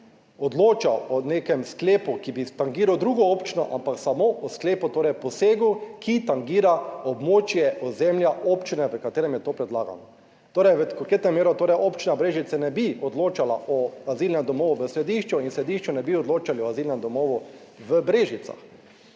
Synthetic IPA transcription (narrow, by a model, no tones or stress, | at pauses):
ɔd̪loːt͡ʃawɔnekɛmskleːpukibit̪aŋɡiːɾawd̪ɾuːɡɔopt͡ʃinɔ̰ʔa̰mpaksamoʔɔskleːput̪oːɾɛjpɔseːɡukit̪aŋɡiːɾaɔbmoːt͡ʃjɛɔzɛmljaoːpt͡ʃinɛʋəkat̪eːɾɛmjɛt̪oːpɾɛd̪laːɡa̰nɔ | t̪oːɾɛjʋəkɔket̪nɛmːeːɾɔt̪oːɾɛjʔopt͡ʃinabɾeːʒit̪sɛnɛbiɔd̪loːt͡ʃalaʔɔaziːlnɛmd̪ɔmoːʋuʋəsɾɛd̪iʃt͡ʃuinsɾɛd̪iʃt͡ʃunɛbiɔd̪loːt͡ʃaliɔaziːlnɛmd̪ɔmoːʋu | ʋəbɾeːʒit̪sa̰x